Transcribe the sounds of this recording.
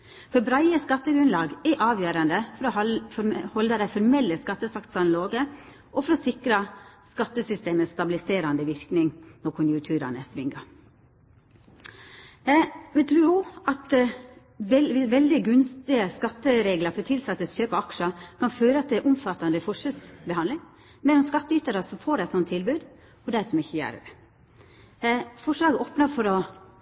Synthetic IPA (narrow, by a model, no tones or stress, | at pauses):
fɔɾbɾæɪəskɑt̪ːəɡɾʉnlɑːɡɛʔɑːʋjøːɾɑnd̪əfɔɾɔ | hɔld̪əd̪æɪfɔɾmɛlːəskɑt̪ːəsɑkt̪sɑnloːɡə | ʔɔfɔɾɔsɪkɾəskɑt̪ːəsʏst̪eːməst̪ɑbɪlɪseːɾɑnd̪əʋɪɾknɪŋnɔɾkʰʊnjʊŋk̚t̪ʰʉːɾɑ̰nəsʋɪŋɑ | ʋɛt̪ʰɾʉːuːɑt̪ | ʋɛɪʋɛld̪ɪəɡʉnst̪ɪəskɑt̪ːəɾeːɡlɑɾfɔt̪ʰɪlsɑt̪ːəsçøːpɑɑkʂəkʰɑnføːɾəɑt̪̚d̪ɛæɾʔʊmfɑt̪ːɑnd̪əfɔʂɛlsbɛhɑnd̪lɪŋ | mɛlɔmskɑt̪ːəyːt̪ɑɾəsɔmfoːɖɛɪt̪sɔnt̪ʰːɪlbʉːd̪ | ɔd̪æsɔmɪçːəjæ̰ɾ | fɔʂlɑːɡəoːpnɑɾfɔɾɔ